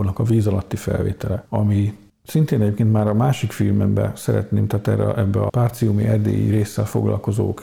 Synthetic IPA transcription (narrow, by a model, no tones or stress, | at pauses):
nɒkɒviːzɒlɒt̪ːifɛ̰lveːt̪ɛlɛɒmi | sint̪eːnɛɟeːpkeːnt̪maːɾɒmaːʃikfilmɛmbɛ̰sɛɾɛ̰t̪neːmt̪aːt̪ɛrːɛʔɛbːɛɒpaːrt̪siumiɛrd̪ḛːjḭɾeːsːɛlfo̞̰ɡlɒ̰lko̞zoːk